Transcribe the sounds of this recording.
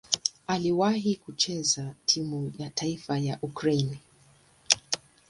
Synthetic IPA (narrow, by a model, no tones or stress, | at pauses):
aliwaɦikut͡ʃɛzatʰimujataifajaʔukɾaini